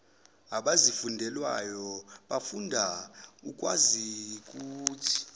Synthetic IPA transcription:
aɓazifundʱɛlwa̰jɔɓafundʱaukʼwa̰zik̬ʼuːt͡sʰi̥

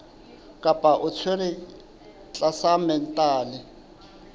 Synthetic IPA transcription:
kʼapʼaʔʊt͡sʰwerɪ | t͡ɬʼasamɛn̩tʼaːlɪ

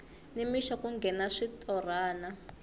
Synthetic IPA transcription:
nimiʃɔkuŋɡʱɛnaʂitʼɔraːna

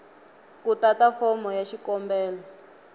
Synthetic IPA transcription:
kutatafɔmɔjaʃikɔmbɛːlɔ

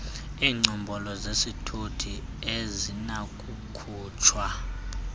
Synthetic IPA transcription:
iːŋ͡ǀɔmbʱɔlɔzesitʰutʰi | ezinakʼukʰuːt͡ʃʰwa

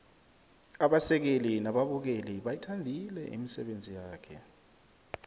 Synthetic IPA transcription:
aɓasɛk̬elinaɓaɓuk̬eliɓajitʰandʱilɛ̰ʔḭmisɛ̰ɓend͡zʱijaːkʰɛ̰

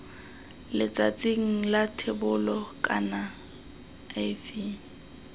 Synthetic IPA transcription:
lɪt͡sʼat͡sʼɪŋ̩latʰebʊlɔkʼa̰na | afiː

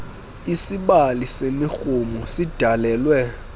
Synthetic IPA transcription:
isiɓalisemixumusid̥ʱalɛːlwɛ

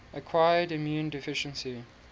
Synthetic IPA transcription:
ʔəkʰw̥ajədimjũːndɪfɪʃə̃nsi

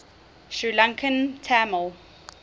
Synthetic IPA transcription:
ʃɹilãŋkʰə̃ntʰaməlˠ

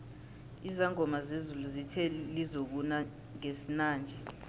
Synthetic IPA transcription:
izaŋɔmazezuluzitʰɛlizok̬una | ŋesinaːnd͡ʒʱɛ

